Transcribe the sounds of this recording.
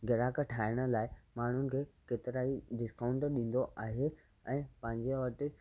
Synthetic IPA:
ɡɐɾaːkʈʰaːɪɽ̃ə̆laːɪmaːɳ̤ʊnɪ̆kʰeːkeːt̪ɪɾaːiɖɪskaːʊ̃ɳʈɗĩːn̆d̪oʔaːɦe | ɛ̃ːpɐ̃ɦɪ̃ɲd͡ʑeʋɐʈɪ

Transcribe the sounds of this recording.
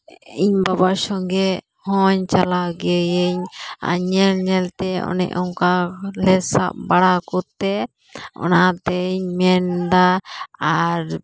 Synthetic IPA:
iɲbabasɔŋɡɛ | hɔɲt͡ʃalaɡɛjeɲa̰ɲɛlɲɛlt̪ɛɔ̰nɛ̰ʔɔŋkalɛsa̰ʔ̚baɽakut̪ːɛ | ɔ̰nat̪ɛɲmɛnd̪aaɾ

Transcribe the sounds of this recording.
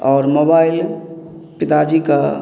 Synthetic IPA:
ɔːɾmobaːil | pɪt̪ad͡ʒika

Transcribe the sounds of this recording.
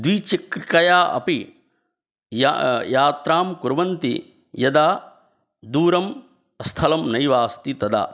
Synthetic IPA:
d̪ʋit͡ʃikɾkɐjaːʔɐ̰pi | jjaːt̪ɾaːmkuɾʋɐnt̪i | jɐd̪aː | d̪uːɾɐm | ɐst̪ʰɐlɐmnɐjʋaːst̪it̪ɐd̪a̰ː

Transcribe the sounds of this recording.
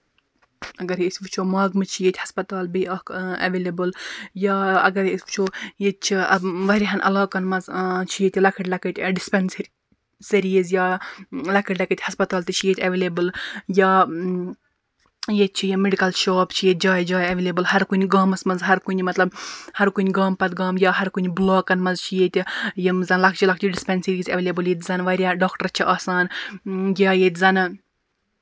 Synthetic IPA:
ɐɡɐɾisʋɨt͡ʃʰoːmaːɡmɨt͡ʃʰijet̪ʲhɐspɐt̪aːlbiɐkɐ̰ʋeːlebɨljaːɐɡɐɾisʋt͡ʃʰoːjet̪̚t͡ʃʰiɐbʋɐɾiɦɐnʔɐ̰laːkɐnmɐzt͡ʃʰijet̪ʲilɐkʰɐʈlɐkɐʈʲɖispens | seɾiizjaːlɐkʰɐʈlɐket̪ʲhɐspɐt̪aːlt̪it͡ʃʰijet̪ʰʲɐʋeːlebɨljaː | jet͡ʃʰijimeɖikɐlʃaːpt͡ʃʰijet̪̚ʲd͡ʒaːjd͡ʒaːjɐʋelebɨlhɐɾkunʲɡaːmɐsmɐnzɦɐɾkunʲmɐt̪lɐbhɐɾkunʲɡaːmpɐt̪ɡaːmjʲaːɦɐɾkunʲblaːkɐnmɐnzt͡ʃʰijet̪ʲjimzɐnlɐkʰt͡ʃʰilɐk̚ʰt͡ʃʰiɖispʲɛnsiɾiːzɐʋeːlebɨljet̪ʲzɐnʋɐɾʲjaːɖaːkʈɐɾt͡ʃʰiʔaːsaːnjʲaːjet̪ʲzɐn

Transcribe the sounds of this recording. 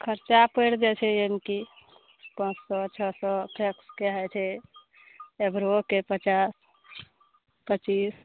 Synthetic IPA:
kʰəɾt͡ʃapəɽd̪et͡ʃʰɛjemki | pə̃t͡ʃsɔt͡ʃʰɔsɔpʰekskeɦɛt͡ʃʰɛ | ebɾokepət͡ʃas | pət͡ʃis

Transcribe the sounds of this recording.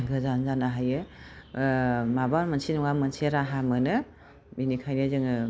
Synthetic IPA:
ɡɯzanzanaɦajɯ | mabaɾmansʰinuŋamɯnseɾaɦamɯnɯ | binikʰajnɯzɯŋɯ

